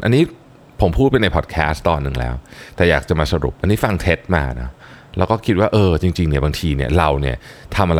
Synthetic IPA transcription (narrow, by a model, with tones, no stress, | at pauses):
ʔa˧nːiː˦˥ | pʰo˩˦mpʰuː˥˩pa˧jna˧jpʰɔː˨˩t̪̚kʰɛː˦˥st̪ɔː˧nːɯ˨˩ŋlɛ̰ː˦˥wt̪ɛː˨˩jaː˨˩k̚t͡ɕa˨˩maː˧sa˧ɾṵ˨˩p̚ʔa˧nːiː˦˥fa˧ŋt̪ʰe˦˥t̪̚maː˧nɔ̰˦˥ | lɛː˦˥wkɔː˥˩kʰi˦t̪̚waː˥˩ʔɤː˧t͡ɕi˧ŋt͡ɕi˧ŋni˥˩ɐbaː˧ŋt̪ʰiː˧ni˥˩ɐɾa˧wni˥˩ɐt̪ʰa˧mʔa˧ɾ